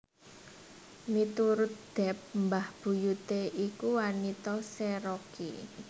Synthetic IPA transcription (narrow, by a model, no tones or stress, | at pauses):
mit̪uɾʊt̪̚d̪̥ɛ̤p̚mbahb̥ṳjut̪eʔikuwanit̪ɔseɾokḭ